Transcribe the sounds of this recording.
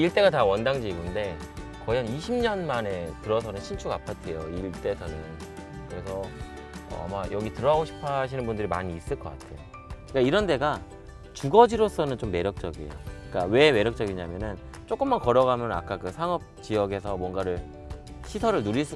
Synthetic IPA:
iɭt͈e̞ɡatawʌndaŋd͡ʑiːɡunde̞ | kʌjʌniɕʰimɲʌnmane̞tɯɾʌsʰʌnɯnɕʰint͡ɕʰuɡapʰatʰejoiɭt͈e̞sʰʌnɯnkɯɾe̞sʰʌ | ʌ̰a̰majʌɡitɯɾʌɦaɡoɕʰi̥pʰaɕʰinɯnbundɯɾima̰ɲiːs͈ɯɭk͈ʌk͈atʰe̞jo | k͈aiɾʌnde̞ɡa | t͡ɕuɡʌd͡ʑiɾos͈ʌnɯnt͡ɕomːe̞ɾjʌk̚t͡ɕ͈ʌɡiḛjo̰ik͈awe̞me̞ɾjʌk̚t͡ɕ͈ʌɡiɲamjʌnɯn | t͡ɕ͈ok͈ɯmːankʌɾʌɣamjʌna̰k͈akɯsʰaŋʌp̚t͡ɕijʌɡe̞sʰʌmwʌnɡaɾɯɭ | ɕʰisʰʌɾɯɭnuɾis͈ɯ

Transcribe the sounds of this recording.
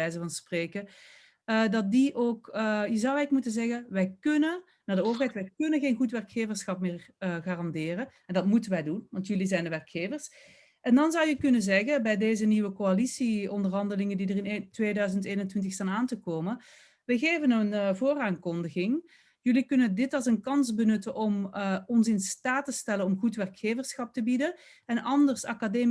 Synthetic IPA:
ɛjzəvɑnspreːkə | ədɑt̚diʔoːkjəzɑwɛkmutənzɛɣənʋɛjkɵnə | naːɹdəoːvər̩ɦɛjtʋɛjkɵnənɣeːnɣutʋɛrkxeːvəɹsxɑp̚mɪːrəɣaːrɑndɪːrəɛndɑtmutənʋɛjdunʋɑntjɵlizɛjndəʋɛrkxeːvərs | ʔɛndɑnzʌwjəkɵnəzɛɣəbɛjdeːzəniʋəkoalisiɔndərɦɑndəlɪŋəndidərɪntʋeːdœɥzənteːnəntʋɪntəxstaːnaːntəkoːmən | ʋəɣeːvənənvoːraːŋkɔndəɣɪŋ | jɵlikɵnədɪtɑlˠsənkɑnzbənɵtənʔɔmɔnsɪnstaːtəstɛlənɔmɣutʋɛrkxeːvəɹsxɑp̚təbidə | ɛnʔɑndərsa̰kadeːm

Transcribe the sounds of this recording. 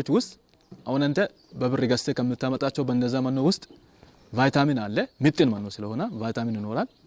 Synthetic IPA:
ot͡ʃːwʊst̪ʼ | ʔahunənt̪ʰə | bəβɨrːɪɡɐst̪ekəmːɪt̪ːamət̪ʼat͡ʃːɛwbəɨnd̪əzːamɐnːowʊst̪ʼ | vajt̪ʰaminalːemɪt̪ʼːɪnmɐnːosɨləho̞nəvajt̪ʰaminɪno̞ɾal

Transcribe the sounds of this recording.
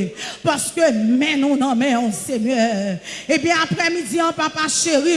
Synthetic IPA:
paʁskømɛ̃nɔ̃nãmɛ̃ɔ̃seɲœebjɛ̃apʁɛmid͡ziãpapaʃeʁi

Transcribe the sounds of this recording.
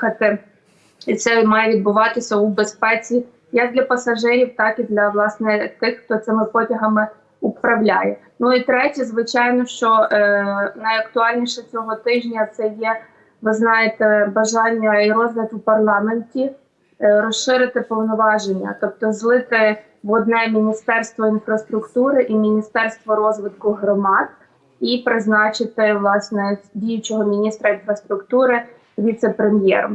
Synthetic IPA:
ɐt̪ɪ | it̪sɛmɑjɛʋʲid̪bʊʋɑt̪ɪsʲɐubespɛt͡sʲi | jɐk̚d̪lʲɐpɐsɐʒɪɾʲiwt̪ɑkid̪lʲɐʋlˠɑsnɪt̪ɪxxt̪ɔt̪sɪmɪpɔtʲɐɦɐmɪ | upɾɐwlʲajɛ | nuit̪ɾɛtʲɐzʋɪt͡ʃɑjnɔʃt͡ʃɔ | nɐjɐkt̪ʊɑlʲnʲiʃɛt͡sʲɔɦɔt̪ɪʒnʲɐt̪sɛjɛ | ʋɪznɑjet̪ɛbɐʒɑnʲːɐiɾɔzʋʲɐt̪upɐrlˠɑmenʲtʲi | ɾɔʃɪɾɪt̪ɪpɔwnɔʋɑʒenʲːɐ̰t̪ɔp̚t̪ɔzlˠɪt̪ɪ | ʋɔd̪nɛmʲinʲist̪ɛrst̪ʋɔinfɾɐst̪ɾʊkt̪uɾɪʔimʲinʲist̪ɛrst̪ʋɔɾɔzʋɪt̪kʊɦɾɔmɑd̪̚ | ipɾɪznɑt͡ʃɪt̪ɪʋlˠɑsnɛdʲijʊt͡ʃɔɦɔmʲinʲist̪ɾɐinfɾɐst̪ɾʊkt̪uɾɪ | ʋʲit̪sɛpɾemʲjɛ̰ɾm

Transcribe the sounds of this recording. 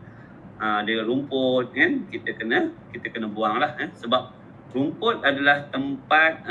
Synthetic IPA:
ədəɾumpʊt̪̚ŋankit̪əkənəkit̪əkənəbuaŋlahansəbap̚ | rumpʊt̪̚adalaht̪əmpat̪̚

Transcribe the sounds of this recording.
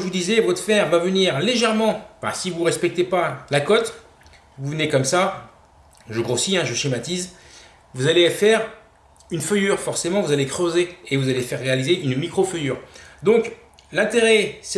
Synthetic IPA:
vud̪izɛvɔt̪fɛʁvavəniʁleʒɛʁmɑ̃fɛ̰̃sivuʁɛspɛk̚t̪epalakɔt̪ | vuvnekɔmsa | ʒəɡʁosiɛ̃ʒəʃimat̪iz | vuzalefɛʁ | ynfœjyːʁfɔʁsemɑ̃vuzalekχøzeːvuzalefɛʁːealizeʔynmikχofəjyːʁd̪ɔ̃k | lɛ̃t̪eʁɛsɛ

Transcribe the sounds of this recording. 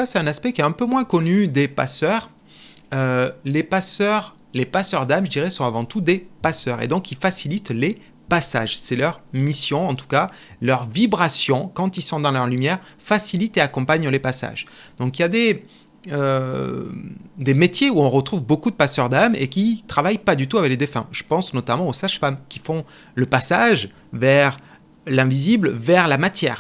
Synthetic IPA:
sasɛt̪ɛ̃naspɛkʲiɛt̪ɛ̃pømwɛ̃kɔnyd̪epa̰sœːʁ | ølepasœʁ | lepasœʁd̪amʒəd̪iʁɛsɔ̃avɑ̃t̪ud̪epasœʁḛd̪ɔ̃kilfasilit̪le | pasa̰ʒsɛlœʁmisjɔ̃ɑ̃t̪u̥kalœʁvibʁasjɔ̃kɑ̃t̪ilsɔ̃d̪ɑ̃lœʁlymjɛʁfasilit̪eakɔ̃paɲlepasa̰ʒd̪̥ɔ̃kiljad̪e | ø | d̪emet̪jeuɔ̃ʁət̪χuvbokud̪əpasœʁd̪amḛkʲit̪χavajpad̪yt̪uavɛkled̪efɛ̰̃ʒ̥əpɑ̃snɔt̪amɑ̃osaʃfamkʲifɔ̃ | ləpasaʒ | vɛʁ | lɛ̃viziblvɛʁlamat̪jɛ̰ːʁ

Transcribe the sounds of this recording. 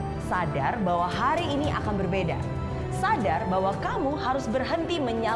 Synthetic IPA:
sadarbawaɦaɾiːniʔa̰kanbərbeda̰ | sadarbawakamuhaɾʊsbərɦənt̪iməɲa

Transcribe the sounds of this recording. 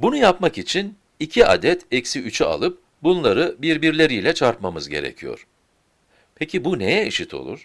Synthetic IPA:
bunujapmakit͡ʃʰin | icʰiʔa̰d̪ɛt̪ʰɛcsiyt͡ʃʰya̰lˠɯp̚ | bunlˠaɾɯbiɾbiɾlʲe̞ɾijlʲɛt͡ʃʰaɾpmamɯzɟe̞ɾḛcʰijo̞̰ɾ̥ | pʰecʰibunejɛiʃit̪ʰo̞̰lˠṵɾ̥

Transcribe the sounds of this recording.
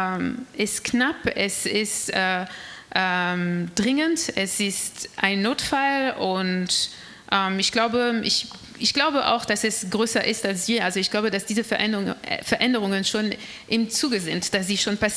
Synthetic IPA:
ɛmʔɪstknapɛsɪstʔɛːʔɛːmd̥ʁɪŋəntɛsɪstʔa̰ɪnːoːtfalʊnt | ʔɛːmɪçɡ̥laʊbəʔɪ̰ç | ʔɪçɡ̥laʊbəʔa̰ʊxd̥asɛsɡ̥ʁøːsɐʔɪstalsz̥iːɐʔalzoɪçɡ̥laʊbədasd̥iːzəfɛfɛɐʔɛndəʁ̞ʊŋənʃoːn | ʔɪmt͡suːɡəzɪntd̥asz̥iːʃoːnpas

